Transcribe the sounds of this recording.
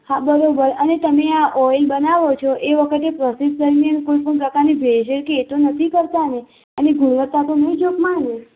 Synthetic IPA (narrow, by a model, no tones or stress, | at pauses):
habəɾobəɾənet̪əmeaʔɔjlbənaʋot͡ʃʰoʔeʋəkʰət̪epɾəsid̪̚d̪əɾmjankoipəɳpɾəkaɾnibʱeʃekeːt̪onət̪ʰikəɾt̪ane | əneɡuɽ̃ʋət̪ːat̪onəid͡ʒokmane